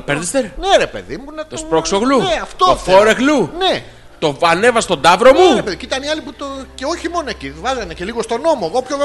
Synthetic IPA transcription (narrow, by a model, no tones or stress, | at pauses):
peɾðest̪eɾneɾepḛðimunet̪ospɾoksoɣlueɐft̪oofoɾeɣlune | t̪o̞ɐne̞vɐst̪o̞d̪ɐvɾo̞muɾepeðiciit̪ɐniɐliput̪oceoçimo̞noecivɐzɐnece̞liɣost̪ono̞moeɣopçoɣ